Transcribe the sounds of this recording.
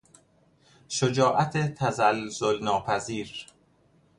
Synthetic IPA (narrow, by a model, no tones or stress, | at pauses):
ʃod͡ʒɒːʔæt̪ʰet̪ʰæzælzolnɒːpʰæziːɾ